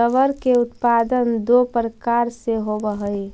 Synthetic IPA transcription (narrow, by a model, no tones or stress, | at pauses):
əʋəɾkeʊt̪paːd̪ənd̪opɾəkaɾseɦobəɦəi